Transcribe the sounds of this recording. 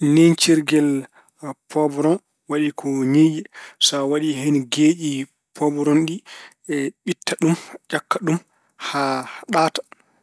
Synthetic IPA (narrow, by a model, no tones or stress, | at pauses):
nent͡ʃiɾɡɛl | pɔbɾɔn | waɗikʰɔɲeʔisawaɗiɦeniɡed͡ʒi | pʰɔbɾɔnɗi | ɛɓitʰːaɗumd͡ʒakːaɗum | haɗaːtḁ